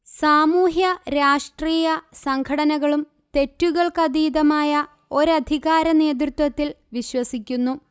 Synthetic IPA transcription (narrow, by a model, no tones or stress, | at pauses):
saːmuːɦjɐɾaːʂʈriːjɐsɐŋkʰɐɽɐnɐɣɐɭum | t̪e̞tːuɣɐɭkɐd̪iːðɐmaːjɐ | o̞ɾɐd̪ʱiɣaːɾɐne̞ːd̪̬rut̪wɐt̪ːil | ʋiɕwɐsikʲːunːu